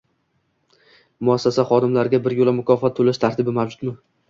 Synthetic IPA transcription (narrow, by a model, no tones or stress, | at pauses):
mʊasːasaχɒd̪ɪmlaɾɡʲabɪɾjolˠamʊkʰɒfɒt̪ʰːolaʃt̪ʰaɾt̪ʰɪbɪmawd͡ʒʊt̪mɪ